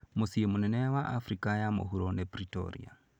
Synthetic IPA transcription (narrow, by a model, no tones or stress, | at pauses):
mosijemunɛnɛawaʔafɾikajamo̰ɦuɾonepɾito̰ɾḭa̰